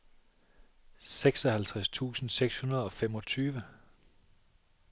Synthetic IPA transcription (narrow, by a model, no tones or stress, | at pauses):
seɡ̥sɒ̽hælt͡sʰʁast͡sʰṵːsn̩seɡ̥shunɐð̞̩ˠɒ̽femɒ̽t͡sʰyːʋə